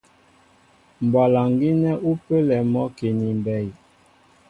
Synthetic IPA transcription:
m˨bwa˨la˨ŋɡi˦nɛ˦ʔu˦pə˦lɛ˨mɔ˦ke˨ni˨mbɛ˨j

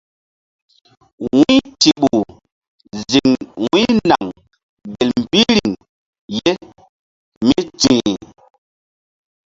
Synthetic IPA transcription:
wi˦ti˨ɓu˨ | zi˨ŋwi˦na˨ŋ | be˨lm̩˨pi˦ɾi˨ŋ | je˦ | mi˦t͡si˨

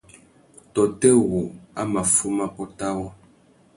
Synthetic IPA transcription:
tɔ˨tɛ˦ɣu˨a˦ma˨fu˦ma˦pɔ˦ta˦wɔ˦

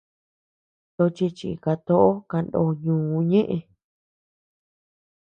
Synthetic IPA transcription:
t̪o˧t͡ʃi˧t͡ʃḭ˨ka˧t̪o˦ʔo˦ka˧ndo˧˨ɲũː˨˦˧ɲẽ˦ʔẽ˧

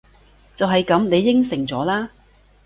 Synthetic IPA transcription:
t͡sɐ˨wɦɐ˨jkɐ˨˥mne˨˧jːɪ˥ŋsɪ˨˩ŋt͡sɔː˨˥laː˥

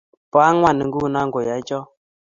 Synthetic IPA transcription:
pɔ˨a˦ŋwa˦ni˨ŋ̩˦ɡu˦˨na˦ŋɡo˨ja˨˦d͡ʒɔ˦

